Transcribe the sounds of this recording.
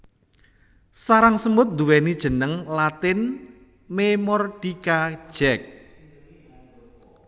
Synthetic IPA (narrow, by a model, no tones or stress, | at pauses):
saɾaŋsəmbʊt̪̚nd̪uwɛnid̥ʒ̥ə̤nəŋlat̪ɪn | memɔrd̥ikḁʒ̥ɛk̚